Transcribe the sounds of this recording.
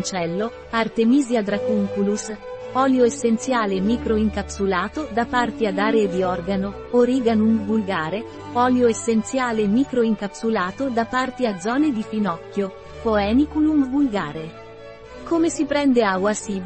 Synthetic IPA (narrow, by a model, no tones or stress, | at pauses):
nt͡ʃɛlːo | art̪emiːziad̪ɾakuŋkulusɔljoesːent̪sjaːlemiːkɾoiŋkapsulaːt̪od̪apːart̪iad̪aːɾeːd̪iɔrɡano | oɾiɡanumvulɡaːɾe | ɔːljoesːent̪sjaːlemiːkɾoiŋkapsulaːt̪od̪apːart̪iad̪zːɔːned̪ifinɔkːjo | poɛːnikulumvulɡaːɾe | komesipɾɛnd̪eawasiː